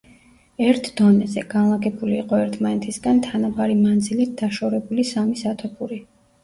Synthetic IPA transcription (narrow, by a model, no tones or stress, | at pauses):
ɛɾt̪ʰd̪ɔnɛzɛɡ̥anlˠaɡɛbuliːqʼɔɛɾt̪ʰmanɛt̪ʰisɡant̪ʰanabaɾimand̪zilit̪̚d̪̥aʃɔɾɛbulisamisat̪ʰɔpʰuɾi